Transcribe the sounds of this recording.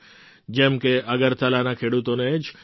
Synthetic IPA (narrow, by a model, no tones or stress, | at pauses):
d͡ʒemkeʔɐɡəɾt̪ɐlaːnakʰeːɽut̪õnẽd͡ʒ